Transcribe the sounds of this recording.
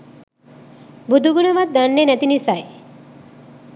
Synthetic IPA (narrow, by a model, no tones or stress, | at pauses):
bud̪ʱuɡuɽɐʋat̪̚d̪əɳːenət̪inisaj